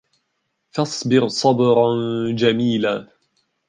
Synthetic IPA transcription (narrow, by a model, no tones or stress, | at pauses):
fɑsˤbɪɾsˤɑbɾnd͡ʒamiːlaː